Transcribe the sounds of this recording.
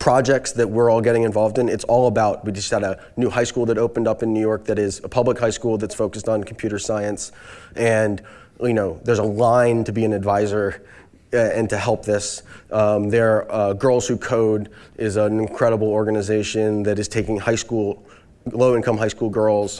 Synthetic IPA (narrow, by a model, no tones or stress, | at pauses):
pʰɹ̥ɑd͡ʒɛk̚tsðɨt̚wɪɹɔlˠɡɛɾɪ̃ŋɨ̃ɱvɑlˠvdɨ̃nɨtsɔlˠəbaʊt̚wid͡ʒʌsəɾə | nʉhaɪskulˠðɨɾoʊpɨ̃n̩dʌpɨ̃nːʉjɔɹk̚ðɨɾɪzəpʰʌbləkhaɪskulˠðɨtsfoʊkɨstn̩kʰm̩pʰj̥ʉɾə˞saɪɨ̃nsʔɨ̃n | jɨnoʊðə˞zəlãɪ̃ntʰɨbiɨ̃nɨdvaɪzə˞ | ɨ̃ntʰɨɦɛlˠp̚ðɪsʌðə˞ʌɡɜ˞lˠz̥hʉkʰoʊɾʔɪzənɨ̃nkʰɹ̥ɛɾəbl̩ˠɔɹɡɨnɨzeɪʃɨ̃nðɨɾɨz̥tʰeɪkɪ̃ŋhaɪskulˠ | loʊɪ̃nkʰʌ̃mɦaɪskulˠɡɜ˞lˠz̥